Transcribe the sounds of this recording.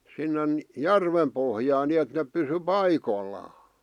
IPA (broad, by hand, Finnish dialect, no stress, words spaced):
sinːen jærʋem pohjɑːn niet nep pysy pɑikolːɑː